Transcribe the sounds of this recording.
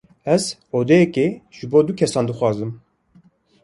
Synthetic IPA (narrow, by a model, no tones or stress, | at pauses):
ɛzoːd̪ɛjɛkeːʒ̥ɨboːd̪ukʰɛsɑːnd̪ɨxʷwɑːzɨm